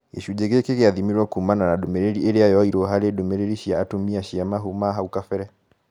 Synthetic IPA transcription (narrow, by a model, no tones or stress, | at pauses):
eʃud͡ʒeɣekeɣeaðimiɾwakuumananadomɛɾeɾiʔeɾeajɔiɾoɦaɾedomɛɾeɾiʃiaːtomiaʃiamaɦomaɦaukafɛɾɛ